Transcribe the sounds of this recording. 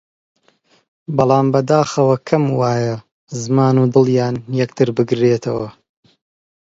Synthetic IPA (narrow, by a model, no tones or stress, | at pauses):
bɑlˠɑːmbɐd̪aːxɐwɐkʰɐmwaːjɐ | zmaːnud̪ɨlˠjaːnjɐk̚t̪ʰɨɾbɨɡɾeːt̪ʰɐwɐ